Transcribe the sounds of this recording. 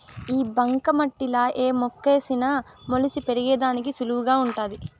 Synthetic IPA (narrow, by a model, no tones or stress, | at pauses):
iːbɐŋkɐmɐʈːilɐʔeːmokːe̞ːsinɐ | molisipeɾiɡɛːd̪aːnik̬isuluʋuɡaːuɳʈaːd̪i